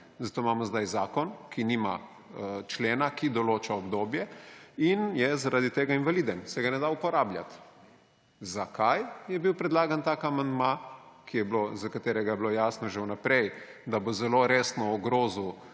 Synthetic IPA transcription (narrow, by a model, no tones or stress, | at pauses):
zat̪oːmamɔzd̪ajzaːkɔnkinima | t͡ʃleːnakid̪ɔloːt͡ʃaɔbd̪oːbjɛinjɛzaɾʔaːd̪it̪eːɡainʋalid̪ɛmsɛɡanɛd̪aupɔɾaːblja̰t̪ | zakʰajjɛbiwpɾɛd̪laːɡant̪aːkamand̪makijɛblozakat̪eːɾɛɡajɛblojasnɔʒewnapɾɛj | d̪abozɛloɾeːsnɔːɡɾoːzu